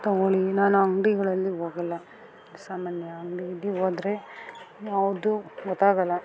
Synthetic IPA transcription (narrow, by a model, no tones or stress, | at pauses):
t̪ɐɡoɭinaːnuɐŋɡɖiɡɐɭɐlːiɦoːɡɐlːɐ | saːmaːnjɐɐŋɡɖiid̪iɦoːd̪ɾejaːʋud̪uɡɔt̪ːaːɡɐlːɐ